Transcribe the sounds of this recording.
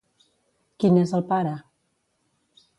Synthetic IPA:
kinezəlˠpaɾə

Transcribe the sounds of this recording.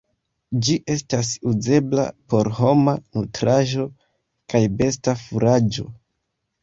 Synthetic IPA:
d͡ʒiʔe̞stasuze̞bla̰po̞ɾho̞manutɾaʒo̞ | kajbe̞stafuɾad͡ʒo̞̰

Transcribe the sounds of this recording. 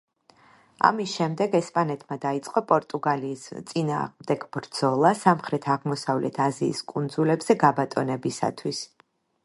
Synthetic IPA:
a̰misʃɛmd̪ɛɡɛspʼanɛt̪ʰmad̪ait̪sʼqʼɔpʼɔɾt̪ʼuɡaliːst̪sʼina̰ːʁmd̪ɛɡbɾd̪z̥ɔlˠasamχɾɛt̪ʰaʁmɔsavlɛ̰t̪ʰazḭːskʼund̪zulɛbz̥ɛɡabat̪ʼɔnɛbisa̰t̪ʰwis

